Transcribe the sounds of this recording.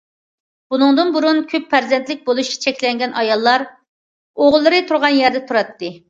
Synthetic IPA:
b̥unɨŋd̪ɨnbuɾunkʲʰøpʰːæɾzɛnt̪lɪk̚ʲbolˠuʃt͡ʃʰi̥t͡ʃʰɛkʲlɛŋɡʲɛnʔɑjɑlˠːɑɾ | oʁlˠːɨɾɨt̪ʰuɾʁɑnjɛɾd̪ɛt̪ʰuɾɑt̪ːɨ

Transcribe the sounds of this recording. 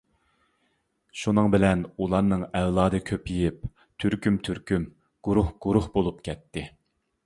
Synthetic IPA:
ʃunɨŋbɪlɛnulˠɑɾnɨŋɛwlˠɑːd̪ɨkʲʰøpjijip̚ | t̪ʰyɾkʲymt̪ʰyɾkʲym | ɡ̥uɾuhɡ̥uɾuhbolˠupkʲʰɛt̪ʰːɪ

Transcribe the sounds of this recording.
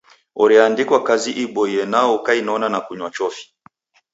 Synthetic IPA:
ɔɾiandikwakaziʔiɓɔiɛnaɔkainɔnanakuɲwat͡ʃɔfi̥

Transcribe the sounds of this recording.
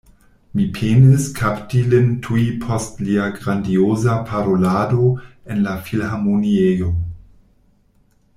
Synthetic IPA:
mipʰeːniskʰaptilɪntʰuipʰɔstliaɡʁandioːzapʰaɾolaːdoenlafilhamoniejo

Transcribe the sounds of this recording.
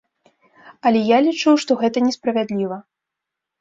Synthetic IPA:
ɐlʲɛjalʲit͡ʂɨwʂt̪ɔɣɛt̪ɐnʲɛspɾɐvʲad̪lʲivɐ

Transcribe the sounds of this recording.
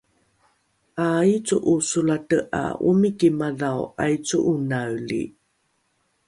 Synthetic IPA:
ʔajt͡suʔusulatəʔa̰ṵmikimaðawa̰jt͡suʔunawlḭ

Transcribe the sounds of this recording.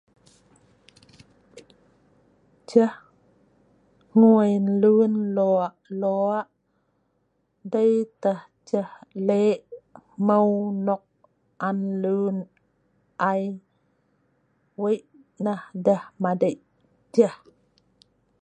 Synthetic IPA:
t͡ʃəh | ŋuəjnlunloaʔloaʔ | dəjt̪əh | t͡ʃəhleʔməwnɔk̚ | ʔanlun | ʔaj | wejʔ | nahdəhmadəjʔ | d͡ʒəh

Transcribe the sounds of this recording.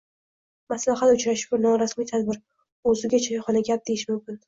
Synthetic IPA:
maslaɦat̪ʊt͡ʃɾaʃɪʃbɪɾnɒɾasmijt̪ʰad̪bɪɾ | ɵzɪɡʲat͡ʃʰaχɒnaɡʲap̚d̪ejɪʃmʊmkʲɪn

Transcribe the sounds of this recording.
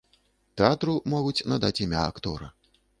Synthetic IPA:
t̪ɛat̪ɾumɔɣut͡sʲnɐd̪at͡sʲimʲaɐkt̪ɔɾɐ̰

